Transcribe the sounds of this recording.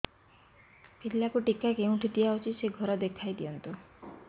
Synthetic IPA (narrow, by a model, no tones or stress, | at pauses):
pilːakuʈikakeũʈʰid̪ijaɦot͡ʃʰiseɡʱɔɾɔd̪ekʰajd̪ijɔnt̪u